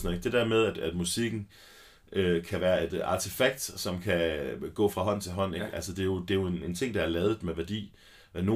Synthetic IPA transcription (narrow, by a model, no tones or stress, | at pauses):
snɔð̩ˠeɡ̥̚d̥e̝d̥æ̰ɐ̰með̞ˠæd̥æd̥musiɡ̥n̩ | ʔøkʰæʋæːɐe̝d̥ɑ̈t͡sʰifæɡ̥̚d̥sɒ̽mkʰæɡ̥ɔ̰̽ːfʁɑ̈ɦɒ̽n̰t͡sʰe̝lɦɒ̽n̰eɡ̥ælsəd̥e̝jo̝d̥e̝jo̝ene̝nt͡sʰe̝ŋ̰d̥ɑ̈æɐlɛːðd̩ˠmeʋæɐd̥ḭː | no̝